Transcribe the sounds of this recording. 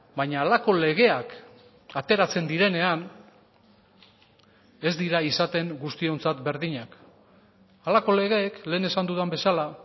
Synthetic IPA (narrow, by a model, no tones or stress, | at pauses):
baɲaːlako̞le̞ɣ̞e̞ak | at̪e̞ɾat͡se̞nd̪iɾe̞ne̞an | e̞zd̪iɾaisat̪e̞ŋɡust̪io̞nt͡sat̪be̞ɾðiɲak | alako̞le̞ɣ̞e̞ːkle̞ːne̞sand̪uðambe̞sala